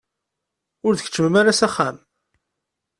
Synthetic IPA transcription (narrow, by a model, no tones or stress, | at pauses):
ʊɾðəç̥t͡ʃːəməmaɾasæχːæm